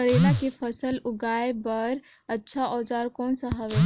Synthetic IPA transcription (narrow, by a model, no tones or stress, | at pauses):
əɾenakepʰəsəlʊɡaebəɾ | ətːʃʰaʔɔːd͡ʒaɾkɔːnsəɦəʋɛ